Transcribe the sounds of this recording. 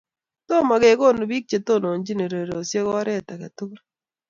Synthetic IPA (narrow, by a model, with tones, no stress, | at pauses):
to˦˨ma˨ɡe˨˦ɡo˦˨no˨bi˦k̚t͡ʃe˨to˦˨no˨nd͡ʒi˦ne˨ɾe˨ɾo˨sje˦ɡɔ˦ɾɛ˦˨ta˨ka˨tu˦kɾ